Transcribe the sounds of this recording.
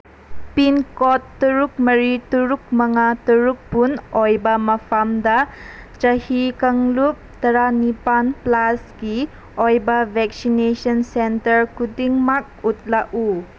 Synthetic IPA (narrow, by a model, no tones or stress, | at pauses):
pinkɔtːuɾuk̚mɐɾituɾuk̚mɐŋatuɾuk̚punɔjbamɐpʰamda | t͡ʃahikaŋlup̚tɐɾanipanplasɡi | ɔjbabʱɛk̚sinesɔnsɛntəɾkudiŋmak̚ut̚laʔu